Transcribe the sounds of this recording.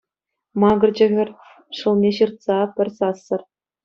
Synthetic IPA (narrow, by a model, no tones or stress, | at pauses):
mɑɡɤ̆rd͡ʑɘ̆ɣʲɘ̆rʲ | ʂɤ̆lˠnʲeɕɯrt̪sɑpʲɘ̆rʲsɑsːɤ̆r